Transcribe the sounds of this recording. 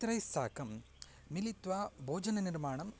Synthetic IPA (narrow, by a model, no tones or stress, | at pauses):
t̪ɾɐjsaːkɐmː | ilit̪ʋaːbʱoːd͡ʒɐnɐniɾmaːɳɐm